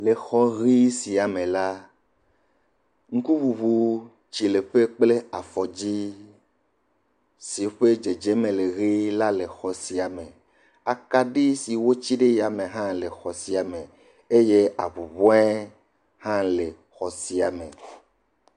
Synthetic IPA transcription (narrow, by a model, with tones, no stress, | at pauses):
le˨xɔ˦ɣi˦si˨a˨mẽ˨la˦ | ŋ̩˦ku˦βu˨βu˦ | t͡ʃi˨le˨ɸe˦k͡ple˦a˨fɔ˨d͡ʑi˦ | si˨˦ɸe˦d͡ʒe˨d͡ʒe˨˦mẽ˨le˨ɣi˦la˦le˨xɔ˨si˨a˨mẽ˨ | a˨ka˦ɖi˦si˨wo˦t͡ʃi˦ɖe˦ja˨mẽ˨ɦã˦le˨xɔ˨si˨a˨mẽ˨ | e˦je˦a˨βu˨βɔ̃˦ɛ˦ | hã˦le˨ | xɔ˨si˨a˨mḛ̃˨